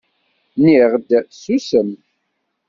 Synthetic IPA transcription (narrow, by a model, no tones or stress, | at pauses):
niʁd̪susəm